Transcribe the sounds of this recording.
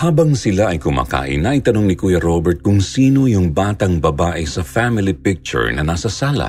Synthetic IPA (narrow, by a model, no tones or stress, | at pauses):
haːbɐŋsɪlaɐjkʊma̰ːka̰ːʔɪ̰nɐʔit̪ɐnoŋnɪkuːjɐɾobɛɹt̪̚kʊŋsiːno̞jʊŋbaːt̪ɐŋbɐbaːʔɪsɐfamɪlipɪk̚t͡ʃʊ̰ɹnɐnasɐsaːlɐ̰